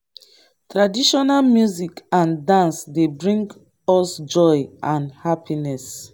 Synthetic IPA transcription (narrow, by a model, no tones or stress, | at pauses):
tɹadiʃɔnalmjuzikãndãnsdebɹĩŋɡ | ɔsd͡ʒɔjʔãnhapʰinɛs